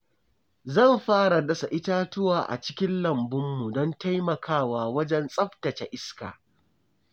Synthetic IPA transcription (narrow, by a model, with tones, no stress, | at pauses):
zɐ˦˨mɸaː˦ɽa˨dɐ˦sa˨ʔɪ˦taː˦tʊ˦waː˨ʔa̰˨t͡ʃɪ̥˦kʲɪ˦nlɐ˨mbʊ˦mːu˨dɔ˦nta˦jmɐ˨kʰaː˦˨waː˨wɐ˦d͡ʒɛ˦nsʼɐ˦ɸtɐ˨t͡ʃa̰˨ʔɪ˦ska̰ː˨